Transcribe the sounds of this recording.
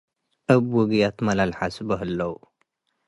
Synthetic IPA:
ʔɐbwɔɡjat̪mɐlalħasbɐɦɨlːɐw

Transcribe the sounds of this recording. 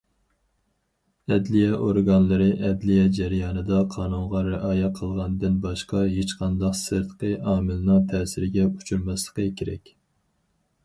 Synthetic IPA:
ɛd̪lijɛʔoɾɡɑnlˠɨɾɨʔɛd̪lijɛd͡ʒɛɾijɑːnɨd̪ɑqʰɑːnuŋʁɑɾɪʔɑːjɛqʰəlˠʁɑnd̪ɨnbɑʃqɑɦet͡ʃqʰɑnd̪ɑqsɨɾt̪qəʔɑːmɨlnɨŋt̪ʰɛːsɪɾɪɡʲɛu̥t͡ʃʰuɾmɛslˠə̥qʰəkʲʰeɾɛ̰kʲ

